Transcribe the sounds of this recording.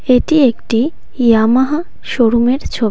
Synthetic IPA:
eʈiekʈi | ijamaɦa | ʃoɾumeɾt͡ɕʰo

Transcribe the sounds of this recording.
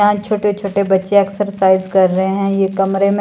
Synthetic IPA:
ɦãt͡ʃʰoːʈet͡ʃʰoːʈebɐtːʃeɛːksəɾsaːɪzkɐɾːɐɦeɦɛ̃jekɐmɾemẽ

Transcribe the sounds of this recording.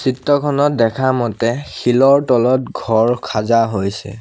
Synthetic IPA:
sitːɔkʰɔnɔt̚dɛkʰamɔtɛxilɔɹtɔlɔt̚ɡʱɔɹkʰazaɦojsɛ̰

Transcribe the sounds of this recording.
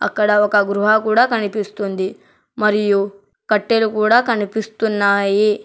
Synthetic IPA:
ɐ̰kːɐɽaokɐɡɾuɦakuːɽakɐɳipist̪und̪i | mɐɾiju | kɐʈːelukuːɽakɐɳipist̪unːaːje

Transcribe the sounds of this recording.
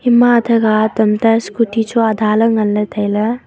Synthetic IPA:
imːaɐd̪ʰɐɡaːt̪ɐmt̪ɐskuʈʰit͡ʃʰuɐd̪ʱaːlɐŋɡɐlːɐt̪ʰɐjlɐ

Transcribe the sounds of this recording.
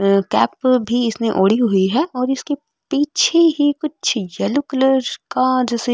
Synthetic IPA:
kɛ̰ːpbʱiɪsneʔoːɽiɦɦʊiɦɛːʔɔːɾɪske | piːt͡ʃʰeɦikʊt͡ʃʰjɐlʊkləɾkad͡ʒɛːse

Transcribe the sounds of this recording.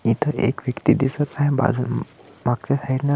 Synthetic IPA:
it̪ʰəʔḛkʋjəkt̪id̪isət͡saɦẽba̰d͡zun | maɡ̚t͡ɕesaɦiɾnə

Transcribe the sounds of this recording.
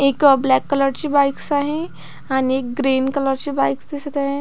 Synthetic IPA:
ekɔblɛkːələɾt͡ɕibajksaɦẽ | añiek̚ɡɾinkələɾt͡ɕibajksd̪esət̪aɦẽ

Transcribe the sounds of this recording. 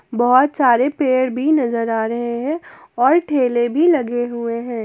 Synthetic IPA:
bɐɦʊt̪saːɾepeːɽbʱinɐzəɾaːɾɐɦeɦɛ̃ | ɔːɾʈʰeːlebʱilɐɡeɦueɦɛ̃ː

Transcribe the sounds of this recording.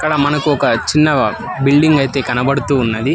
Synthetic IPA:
ɐkːɐɽɐmɐnɐkuɔkɐt͡ʃinːɐ | bilɖiŋɡɐjt̪e̞ːkɐnɐbɐɽut̪uːnːɐd̪i

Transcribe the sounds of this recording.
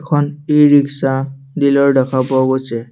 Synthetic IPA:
kʰɔniɹiksa | dilɔɹɖakʰabɔɡosɛ

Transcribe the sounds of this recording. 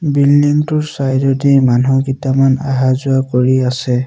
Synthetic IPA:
bilːiŋtʊɹsajdɔdimanɔɡitamana̰ɦazʊakoɹiasɛ

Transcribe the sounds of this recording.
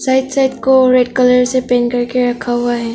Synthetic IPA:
saɪd̪saɪd̪koɾeɖkɐləɾsepɛ̃ːnkɐɾkeɾɐkʰaɦʊaɦɛː

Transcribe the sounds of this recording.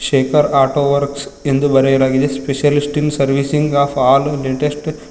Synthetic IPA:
ʃeːkɐɾaːʈoːʋɐɾksend̪ubɐɾejɾaːɡid̪espeʃjɐlisʈinsɐɾʋisiŋɡaːpʰaːlleːʈesʈ

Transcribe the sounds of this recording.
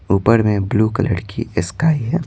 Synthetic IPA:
uːpəɾmẽbluːkɐlə̰ɽkʰḭɪskaːiɦɛː

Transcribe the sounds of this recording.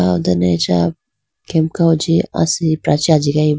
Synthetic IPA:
ad̪ɐnet͡ʃa | kemkaud͡ʒia̰sipɾat͡ʃiad͡ʒiɡai

